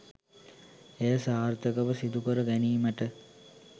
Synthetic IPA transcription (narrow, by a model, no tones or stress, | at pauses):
ejəsaːrt̪əkəʋəsid̪ukəɾəɡæniːməʈə